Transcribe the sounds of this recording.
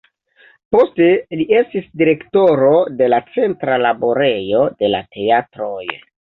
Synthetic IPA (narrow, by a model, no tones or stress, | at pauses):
po̞ste̞lie̞stisdiɾe̞kto̞ɾo̞de̞lat͡se̞ntɾalaboɾe̞jo̞de̞la̰te̞atɾo̞j